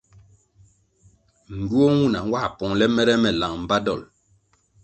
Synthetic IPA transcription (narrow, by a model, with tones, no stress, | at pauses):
ŋ̩˨ɡu˦o˦wu˦na˨ŋ̩˦wa˦a˨pɔ˨ŋlɛ˦mɛ˦ɾɛ˦mɛ˨la˨ŋm̩˨ba˦dɔ˨l